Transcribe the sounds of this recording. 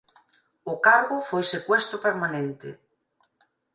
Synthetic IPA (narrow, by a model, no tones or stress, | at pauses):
ʊkaɾɣʊfojsekwɛst̪ɾʊpeɾmanẽnt̪ḛ